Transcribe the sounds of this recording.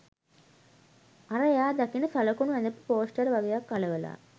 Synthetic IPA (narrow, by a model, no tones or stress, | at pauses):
ɐɾɐjaːd̪ɐkːinɐsɐlɐkːunʋɐnd̪ɐpːɯpoːsʈɐɾʋɐɡɐjakːɐlɐʋɐla̰ː